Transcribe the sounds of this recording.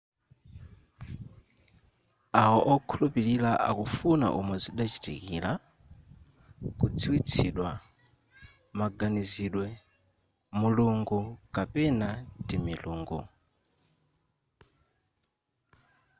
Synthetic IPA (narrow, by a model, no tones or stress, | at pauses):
aɔʔɔkʰulupiɾilaʔa̰kufuna̰ʔumwɛziɗat͡ʃi̥tḭkḭla | kud͡ziwit͡sʰiɗwa | maɡaniziɗwɛ | muluŋɡukapɛnadimiluːŋɡṵ